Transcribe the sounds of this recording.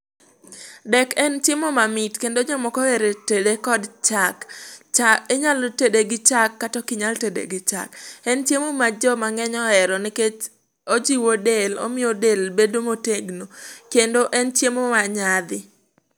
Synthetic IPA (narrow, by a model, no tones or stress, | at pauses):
dɛkɛnt͡ʃjemomamɪtkendoɲamɔkɔeɾetedekɔdt͡ʃakt͡ʃaeɲalotedeɡɪt͡ʃakːatɔkɪɲaltedḛɡɪt͡ʃa̰kɛnt͡ʃjemomad͡ʒɔmaŋɛɲɔɛɾɔniket͡ʃ | od͡ʒiwodelo̰mɪodelbedomoteɡnokendoʔɛnt͡ʃjemomaɲad̪ɪ